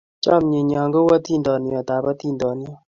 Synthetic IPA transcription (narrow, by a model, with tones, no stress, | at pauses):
t͡ʃa˦mɲe˨ɲa˨ŋɡo˦wa˦t̪ʰi˦˨ndɔ˨njɔ˨t̪a˨ba˦t̪ʰi˦˨ndɔ˨njɔ˦˨